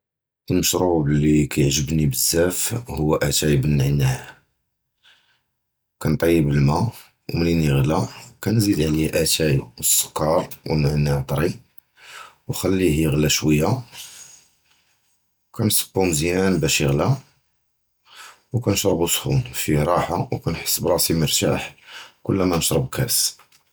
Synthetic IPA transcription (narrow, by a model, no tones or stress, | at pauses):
əlməʃɾublikæjʕʒəbnibəzːæfhʊwːæʔæt̪æjbənːʕnːæh | kænt̪ˤɑjːəbəlmæ | wmliniɣlækænzid̪ʕliʔæt̪ʰæjəsːə̥kːɑɾˤwə̰nʕnːæʕt̪ˤɾi | wxælːihiɣlæʃwəjːa | wkʰænsə̥bːumzjænbæʃəɣlæ | wkænəʃɾˤəbusˤxṵnfiɾˤɑħawkænħə̥sːbɾˤɑsiməɾˤt̪a̰ħkʊlːæmænəʃɾˤəbkæs